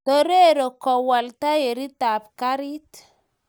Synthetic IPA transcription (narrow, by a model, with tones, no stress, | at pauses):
to˦ɾe˦ɾo˨kɔ˨wa˨lt̪a˦je˨ɾi˦t̪a˨p̚ka˦ɾi˦t